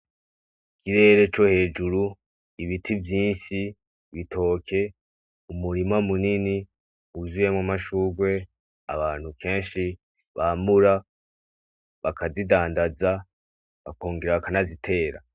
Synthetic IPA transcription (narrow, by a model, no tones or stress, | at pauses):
kʰiɾe̞ːɾe̞t͡ʃo̞he̞ːd͡ʒuɾu | iβitʰivjiːnʃi | βitʰo̞ːkʰe̞ | umuɾimamunini | uzujemŋamaʃuːɡwe̞ | a̰βaːn̥hukʰe̞ːnʃi | βaːmuɾa | βakʰazidaːndaza | βa̰koːŋɡiɾaβakanazitʰe̞ːɾa̰